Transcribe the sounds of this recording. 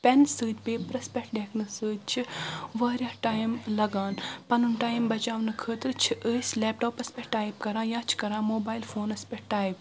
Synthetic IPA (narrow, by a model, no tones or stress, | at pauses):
pʲɛnsɨːt̪̚ʲpeːpɾɐspʲɛkʈ̚ɖekʰnɨsɨːd̪t͡ʃʰiʋɐːɾjɐhʈaːjmlɐɡaːnpɐnunʈaːjmbɐt͡ʃaːʋnɨkʰət̪ɨt͡ʃʰiʔəːsʲlɛːp̚ʈoːpɐspʲɛʈaːjpkɐɾãːjãːt͡ʃʰi̥kɐɾãːmoːbaːjlfoːnɐspʲɛʈaːjp̚